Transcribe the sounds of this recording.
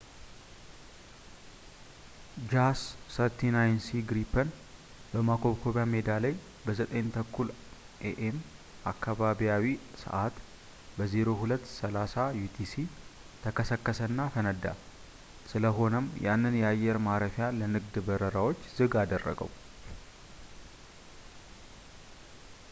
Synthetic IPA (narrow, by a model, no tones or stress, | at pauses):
d͡ʒasːəɾt̪ʰinajnsiɡɾipʰːən | bəmakʰo̞βkʰo̞βjame̞d̪aləj | bəzət̪ʼəɲnt̪ʰəkʰːul | ʔeʔem | ʔakʰːaβaβiawisə̰ʔat̪ | bəzeɾo̞hulət̪ːsəlasajut̪ʰisi | t̪ʰəkəsəkːəsənːafənəd̪ːa̰ | sɨləɦo̞nəmjanːɨnjɛajːɛɾmaɾəfjalənɨɡd̪bəɾəɾawo̞t͡ʃːz̥ɨɡad̪ərːə̰ɡə̰w